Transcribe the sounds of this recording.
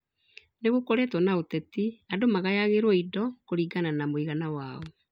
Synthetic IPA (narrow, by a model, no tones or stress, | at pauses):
neɣokoɾɛtwɔnaotɛtiadomaɣajaɣeɾwɔidɔkoɾiːɡananamoiɣanawaɔ